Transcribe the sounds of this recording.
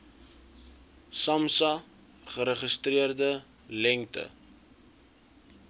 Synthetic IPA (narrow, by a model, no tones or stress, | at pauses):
sɐmsɐ | χəɾəχəstriərdə | lɛŋtə̰